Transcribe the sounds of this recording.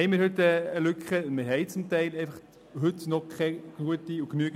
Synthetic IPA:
ɛɪmɪɾhɵt̪əːlʏkχəmɪɾɦɛɪt͡sʊmtɛɪlɛɪfɑχ | ɦʏtnɔkʰɛɡ̥luətiuknyəɡ

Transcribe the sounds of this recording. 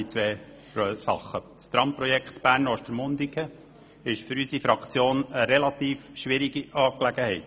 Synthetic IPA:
it͡sʋɛː | pɔsɑ̰χːə | st̪ɾɑmpɾɔjɛkχt̪b̥æːɾnɔʃtəɾmʊnd̪ikʰə | ɪʃfʏɾysifɾɑkʰt͡sjoːnəɾɛlɑt̪iːfʃʋɪɾiɡ̥iɑːklæɡ̥əhɛɪt

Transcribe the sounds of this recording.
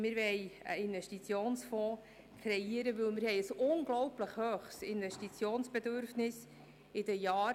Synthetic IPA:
mɪɾʋɛɪə̰ɪnvɛʃtit͡sjoːnsfɔ̃ː | kʰɾɛiəɾəʋɵlmɪɾhɛɪəsʊnɡlɔwpləχhøːχsɪnvɛʃtit͡sjoːnsb̥ɛd̪ʏɾfnɪs | ɪd̥əjaːɾ

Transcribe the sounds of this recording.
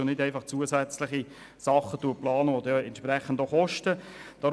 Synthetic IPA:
onɪdæɪfɑχt͡suəsæt͡slɪχi | sɑχət̪uəplɑːnəvod̪ɛɛntʃprɛχəndoχɔʃtəd̥ɑ

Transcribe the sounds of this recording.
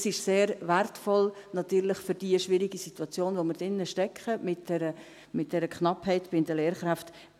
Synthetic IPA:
sɪʃseːɾvɛrtfɔlnɑt̪yːɾlɪχfyɾd̥iəʃvɪɾiɡisitwɑt͡sjoːnvoməɾd̥ɪnːəʃtɛkχəmɪtd̥ɛɾə | mɪt̚d̥ɛɾəkχnɑphɛɪtb̥ɪndəleːɾχɾaft

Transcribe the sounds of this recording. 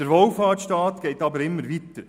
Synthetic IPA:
d̥əɾʋɔlfɑːtʃtɑːt̪ɡ̥ɛɪtɑbəɾɪmːəɾʋit̪əɾ

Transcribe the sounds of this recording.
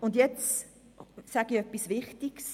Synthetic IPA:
ʊndjɛt͡s | saɡ̥iœpːisvɪχtiɡ̥s

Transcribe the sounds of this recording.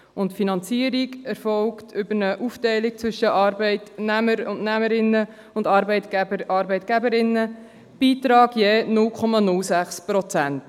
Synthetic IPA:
ʊntfinɑnt͡siəɾiɡɛɾfɔlktʰʏbəɾnəʔuftɛɪlik̚t͡sʋʏʃəʔɑɾbɛɪtnæməɾʊnnæməɾɪnːə | ʊndɑɾbɛɪtəʔɑːɾbɛɪtɡ̥æbəɾɪnːə | b̥iːt̪ɾɑːɡ̥jeːnʊlkʰɔmɑnʊlsæχspɾɔt͡sænt

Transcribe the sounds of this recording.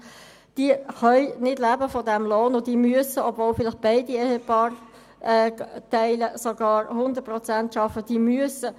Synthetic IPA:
d̥iəχœʏnɪd̥læːbəfɔdæmloːnod̥iːmyəsəɔbvoːlfɪlɪχb̥aɪdiɛhepɑːr | ɛt̪æɪləsoɡ̥ɑːɾhʊnd̪ət̚prʁɔt͡sæntʃɑfəd̥iːmyəsə

